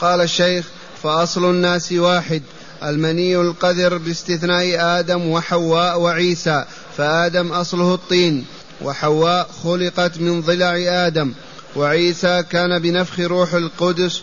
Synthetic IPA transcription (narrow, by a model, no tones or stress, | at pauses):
qɑːlaʃːajx | faʔɑsˤlʊnːaːswaːħɪd̪ | ʔalmaniːalqɑd̪ɑɾbɪst̪ɪθnaːʔʔaːd̪amwɪħawːaːʔwɪʕiːsaː | faʔaːd̪amʔɑsˤlʊhɑt̪ˤːiːn | wʔɪ̰ħawːaːʔxʊlɪqɑt̪mɪnðˤɨlaʕʔaːd̪am | waʕiːsakaːnabɪnafxɪɾuːħalqʊd̪ʊs